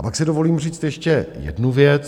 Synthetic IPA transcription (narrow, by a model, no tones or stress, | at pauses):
apaksɪdovo̞liːmriːt͡st̪jɛʃcɛjɛ̰dnuvjɛt͡s